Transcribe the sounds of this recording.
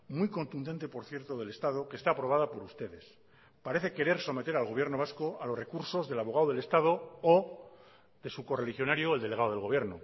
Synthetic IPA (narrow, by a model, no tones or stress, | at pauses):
mwuijko̞nt̪und̪e̞nt̪e̞po̞ɾθje̞ɾt̪o̞ðe̞le̞st̪að̞o̞ke̞ːst̪aːpɾo̞β̞að̞apo̞ɾust̪e̞ðe̞s | paɾe̞θe̞ke̞ɾe̞ɾso̞me̞t̪e̞ɾalɣo̞βje̞ɾno̞β̞askoalo̞sre̞kuɾso̞zðe̞laβo̞ɣ̞aoð̞e̞le̞st̪að̞o̞o | ðe̞suko̞relixjo̞naɾjoeld̪ele̞ɣaðoðelɣo̞β̞jeɾno